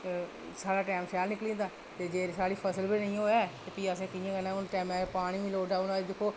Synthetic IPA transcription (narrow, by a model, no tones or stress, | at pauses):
saːɽaːʈɛːmsɛːlnɪklĩːnd̪aː | t̪eːd͡ʒeːɾsaːɽiːpʰəsəlbiːnəĩːɦoːaːt̪eːpiːəs̬ẽːkɪjẽːɡənãːʊnʈɛːmɛːpaːɽ̃ĩːʋĩloːɖaːʊnãːed̪ɪkʰːoː